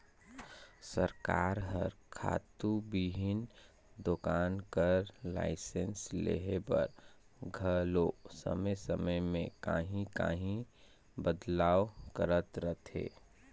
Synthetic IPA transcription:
səɾkaːɾɦəɾkʰa̰ːt̪ubiɦɪn | d̪okaːnkəɾla̰ːɪsẽnslḛɦebə̰ɾ | ɡʱəlosə̰məjsəməjmẽka̰ːɦĩka̰ːɦĩ | bəd̪laːʋkəɾət̪ɾət̪ɦḛː

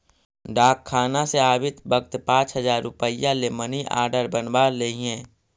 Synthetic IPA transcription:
ɖaːkʰːaːnaseaːbɪt̪bəɡ̚t̪pãːt͡ʃɦəzaːɾːʊpəjaleməniʔa̰ːɾɖəɾbənbaːɾleiɦɛ̃ː

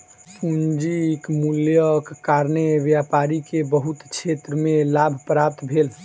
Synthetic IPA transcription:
sund͡ʒikmuljəkːaɾneβjapaɾikebəɦut̪t͡ʃʰet̪ɾəmelabʱpɾap̚t̪bʱel

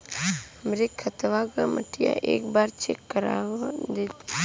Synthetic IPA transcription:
mɾekʰət̪ʋaɡamə̰ʈʰija̰ʔeːkbaːɾt͡ʃʰekːəɾa̰wad̪eːt̪

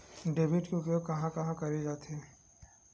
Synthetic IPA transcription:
ɖeːbɪʈkõʊkeokɐɦãkɐɦãkɐɾid͡ʒaːt̪eː

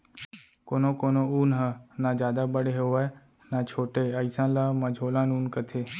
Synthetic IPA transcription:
koːnoːkoːnoːuːnɦənaːd͡ʒjaːd̪aːbəɽeɦeɛ | naːt͡ʃʰoːʈeːəisãːlaːməd͡ʒʱoːlãːnuːnkət̪ʰeː

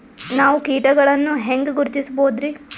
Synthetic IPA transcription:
naːʋukiːʈɐɡɐɭɐnːuɦeŋɡɡuɾt͡ʃ̪isboːd̪ɾi

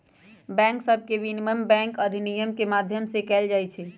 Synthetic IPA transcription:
bɛ̃ːŋksəb̚ʱkeʋiniməmbɛ̃ŋkəd̪ʱinijəmkemad̪ʱjəmsekɛːld͡ʒaːjt͡ʃʰɛ

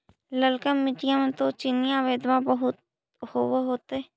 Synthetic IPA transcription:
ləlkəmːɪʈijãmẽt̪ot͡ʃɪnijãʋeːd̪mãbəɦʊt̪̚ | hoːweɦoːt̪eɛ

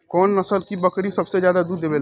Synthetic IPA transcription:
kɔːnːɐsəlkibɐkɾisɐbsed͡ʒjaːd̪ad̪uːd̪ːeːbel

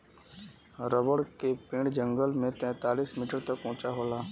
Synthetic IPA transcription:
ɾəbəɽkepẽːɽd͡ʒə̃ŋɡəlmẽt̪ɛ̃ːt̪aːliːsmiːʈəɾt̪əkʊ̃ːt͡ʃaɦoːlaː

